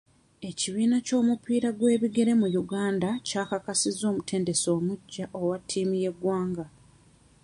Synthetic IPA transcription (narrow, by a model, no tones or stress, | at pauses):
e̞ciβiːnaco̞ːmupiːɾaɡwe̞ːβiɡe̞ɾe̞mujuɡaːndacaːkakasizo̞ːmutʰe̞ːnde̞so̞ːmuɟːaʔowatʰːiːmije̞ɡwaːŋɡa